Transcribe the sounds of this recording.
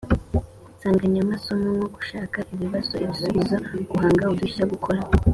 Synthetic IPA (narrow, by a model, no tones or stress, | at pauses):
saːŋɡaɲamaso̞moŋoɡu̥ʃaːkaʔiβiβaso̞iβisuβizaɡ̥uhaːŋɡaoduçaɡukʰo̞ɾa